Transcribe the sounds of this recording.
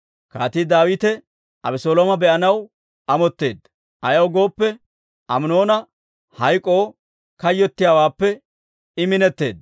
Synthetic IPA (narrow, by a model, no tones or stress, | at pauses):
ka̰ːt̪iːd̪aːwɪt̪ɛ | ʔɐbɪsoːloːmɐbɛʔɐnɐw | ʔɐmɔt̪ːeːd̪ | ʔɐjɐwɡo̞ːpːɛ | ʔɐmno̞ːnɐ | hɐjkʼːo̞ː | kɐjːɔt̪ːɪjaːwaːpːɛ | ɪmɪnɛt̪ːe̞̰ːd̪